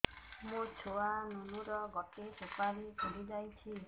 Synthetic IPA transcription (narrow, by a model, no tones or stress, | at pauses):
mũt͡ʃʰoanunuɾɔɡɔʈesepaɾikʰoɾid͡ʒajt͡ʃʰi